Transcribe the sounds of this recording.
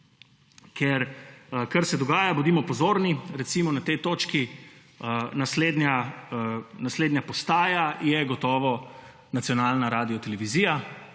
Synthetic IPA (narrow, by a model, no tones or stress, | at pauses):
kɛɾkɐɾsɛd̪ɔɡaːjabud̪iːmɔpɔzoːɾniɾɛt̪simɔnat̪ejt̪oːt͡ʃki | ənasleːd̪nʲa | nasleːd̪njapɔst̪aːjajɛɡɔt̪ɔːʋɔ | nat̪sijɔnaːlnaɾaːd̪ijɔt̪ɛlɛʋiziːja